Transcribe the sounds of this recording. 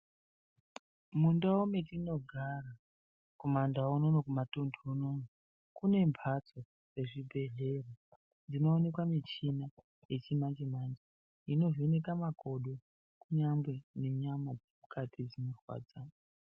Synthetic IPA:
mundaometino̞ɡʱara | komandaononokumatondʱoonono | kune̞mpʰat͡so̞ | re̞ʐibʱe̞ɮe̞ro | nd͡zino̞ːne̞kwamit͡ʃina | je̞t͡ʃimand͡ʒemand͡ʒe | ino̞vionekamakʰo̞ɗo | kuɲambweneɲamo | ukʰatʰid͡zinorwa̰ːd͡za

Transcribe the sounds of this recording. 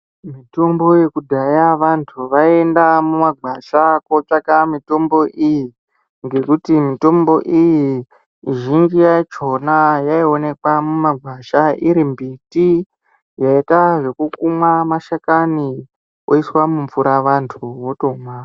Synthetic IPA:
mito̞mbo̞je̞kudʱajaʋantʰuʋaiendamumaɡʱaʃakot͡ʂakamito̞mbo̞ʔiji | ŋɡe̞kutimito̞mbo̞ʔiji | ʒind͡ʒijat͡ʃo̞najaio̞ne̞kwamumaɡʱwaʃaiɾimbiti | jaitaʐe̞kukumwamaʃakani | oiswamuɱfuɾaʋantʰuʋo̞to̞ːmwa

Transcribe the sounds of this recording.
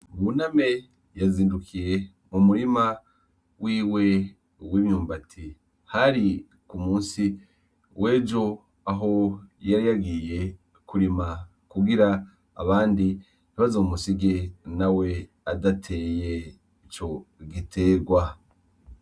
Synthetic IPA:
muname̞ | jaziːndukije̞ | mumuɾima | wiːwe̞ | wiːmjuːmbatʰi | haɾi | kumuːnsi | wʔe̞ːd͡ʒo̞ | aɦo̞jaɾijaɡije̞ | kuɾima | kuɡiɾa̰ː | βaːndi | niβazoumusiɡe̞nawe̞ | adatʰe̞je̞ | it͡ʃo̞ɡitʰe̞ːɾɡwa

